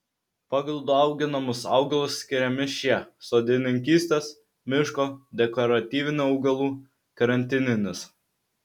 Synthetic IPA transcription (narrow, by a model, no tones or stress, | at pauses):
pɑɡlˠʊd̪uɑˑʊɡʲɪnɐmʊsɑ̰ˑʊɡɐlˠʊsːʲkʲɪɾʲɛmʲɪʃʲiɛsoːd̪ʲɪnʲɪŋʲkʲiːsʲt̪ʲeːs | mʲɪʃkoːd̪ʲɛkɔɾɐt̪ʲiːʋʲɪnʲuːɐʊɡɐlˠuː | kɐɾɐnʲt̪ʲɪnʲɪnʲɪs